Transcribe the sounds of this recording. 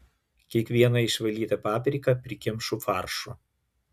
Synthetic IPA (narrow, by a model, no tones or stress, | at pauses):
kʲiɛkʋʲiɛnɐɪʃʋɐlʲiːt̪ɐpɑːpʲɾʲiːkɐpʲɾʲɪkʲɪmʃʊfɑːˑɾʃʊ